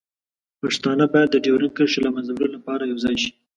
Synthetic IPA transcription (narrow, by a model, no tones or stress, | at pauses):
paʂt̪ɑnəbɑjad̪ːəɖewɾənkəɾʃelamazaɾolapɑɾajawzɑjʃi̥